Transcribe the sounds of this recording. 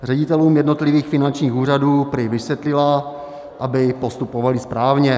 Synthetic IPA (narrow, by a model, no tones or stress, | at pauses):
rɛɟɪt̪ɛluːmjɛdno̞t̪lɪviːxfɪnant͡ʃɲiːxuːraduːpɾɪvɪsvjɛt̪lɪla | ʔabɪpost̪upovalɪspɾaːvɲɛ